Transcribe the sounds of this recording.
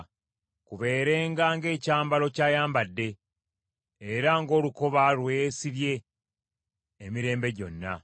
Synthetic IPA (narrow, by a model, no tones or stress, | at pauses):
kuβe̞ːɾe̞ːŋɡaŋɡe̞ːcaːmbalo̞caːjaːmbadːe̞ | ɾaŋɡo̞ːluko̞βalwesiβje̞ | miɾe̞ːmbe̞ɟo̞nːa̰